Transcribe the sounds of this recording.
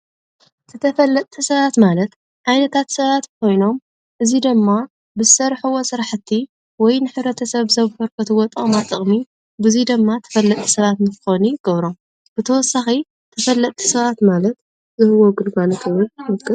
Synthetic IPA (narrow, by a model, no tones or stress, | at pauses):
t̪ʰɨt̪ʰɐfɐlːɐt̪ʼt̪ʰisɐβat̪malɐt̪ | ʔajnɐt̪ʰat̪sɐβat̪kʰo̞jno̞m | ʔɨzid̪ɨmːa | bɨsɐɾħɨwosɨɾaħɨt̪ʰːi | wɔjnɨħɨβɾɐt̪ʰɐsɐβzɐβhoɾkʰɐt̪ʰɨwɔt̪ʼɐmat̪ʼːɨχʼmi | bɨzid̪ɨmːat̪ʰɐ̥fɐlːɐt̪ʼʰːi̥sɐβat̪mɨxoniɡ̥ɐβɾom | b̥ɨt̪ʰɐwɔsːaxi | t̪ʰɐfɐlːɐt̪ʼt̪ʰːi̥sɐβat̪malɐt̪ | zɨhɨwoɡɨlɡalot̪ʰɨwɨlɐkʼːɨ